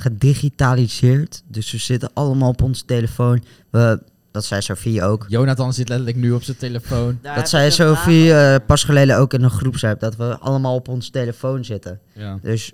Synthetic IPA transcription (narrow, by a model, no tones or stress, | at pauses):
χədiχitaːlizɪːɹtdɵsʋəz̥ɪtənʔɑləmaːlˠɔpɔnsə̥tejləfown | ʋə | d̥ɑtsɛjsofiowkjownatɑnsɪtlɛtələknyɔpsənteləfownd̥ɑtsɛjsowfiəpɑsχəlejləowkɪnənχrupsɛp̚dɑtʋəɑ̰ləmaːlˠɔpɔnsteləfownzɪtəndøs